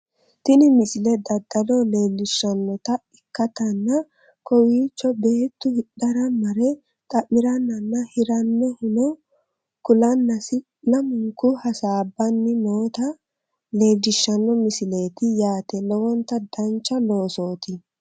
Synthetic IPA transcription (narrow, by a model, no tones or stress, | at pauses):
t̪ɪnɪmɪsɪlɛd̪ɐd̪ːɐlɔle̞ːlɪʃːɐnːɔt̪ɐɪkːɐt̪ɐnːɐ | kɔwiːt͡ʃːɔbe̞ːt̪ːʊhɪɗɐɾɐmɐɾɛ | t̪ʼɐʔːɪɾɐnːɐnːɐhɪɾɐnːɛhʊnɔ | kʊlɐnːɐsɪ | lɐmʊŋkʊhɐsaːbːɐnːɪnoːt̪ɐ | le̞ːlɪʃːɐnːɔmɪsɪle̞ːt̪ɪjaːt̪ɛlɔwɔnt̪ːɐd̪ɐnt͡ʃːɐlo̞ːsoːt̪ɪ